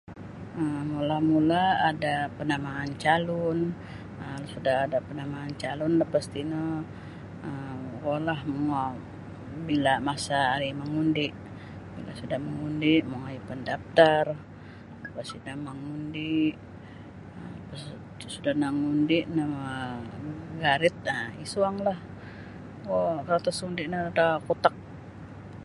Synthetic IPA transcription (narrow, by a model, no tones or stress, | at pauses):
əmmulamulaːdapənamaːnt͡ʃalɔn | əlsudahadapənamaːnt͡ʃalɔnləpast̪ina | əkolahmuŋa | bilamasaːɾimaŋundɪʔ | bḭla̰sudahməŋundiʔmoŋajipəndap̚t̪ar | ləpasinamaŋundiʔ | pas | sudahnaŋundiʔnama | ɡaɾɪt̪̚əisuaŋlah | kokaat̪asundiʔnədakut̪ak̚